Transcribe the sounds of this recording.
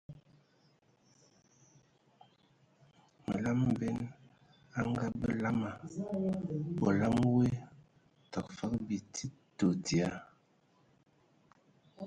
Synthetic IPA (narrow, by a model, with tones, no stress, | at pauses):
mə̰˨la˦m˨bɛ˦n | a˦ŋɡa˦bə˦la˦ma˨ | bɔ˨la˦mwe˦ | tɔ˨k̚fa˦kbi˨tʰi˦ | to˨di˨a˨˦